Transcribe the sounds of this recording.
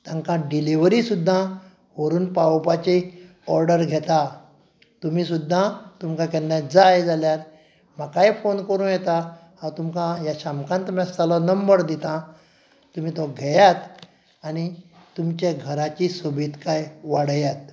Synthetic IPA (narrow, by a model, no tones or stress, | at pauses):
t̪ãŋkãɖiliʋɾiːsud̪ʱːã | ʋəɾuːnpawpat͡ɕi | ɔɾɖəɾɡʱɛt̪a | t̪umiːsud̪ʱːat̪umkãkɛnːad͡zajd͡zʱaljaɾ | makajfonkəɾũːnjɛt̪a | hãt̪umkãjaɕamkãnt̪umjasalɔnəmbəɾd̪it̪ã | t̪um̤iːt̪ɔɡʱɛjat̪ | añi | t̪umt͡ɕeɡʱəɾat͡ɕisobʱiːt̪kajʋaɽjat̪̚